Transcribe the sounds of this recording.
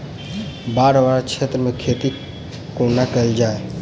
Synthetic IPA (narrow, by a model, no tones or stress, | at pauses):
baɾbaɾt͡ʃʰet̪ɾəmekʰet̪i | konakəld͡ʒae